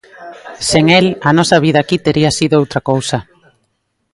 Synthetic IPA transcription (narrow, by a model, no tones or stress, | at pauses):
seŋelɐnɔsɐβ̞iðaːkit̪eɾiasiðoowt̪ɾɐkowsɐ